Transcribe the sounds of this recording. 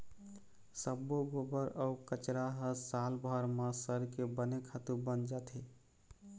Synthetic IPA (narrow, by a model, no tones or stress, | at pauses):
səbːoɡobəɾəukət͡ʃɾaɦəsalbʱəɾmə̃səɾkebənekʰat̪ubənd͡ʒat̪ʰi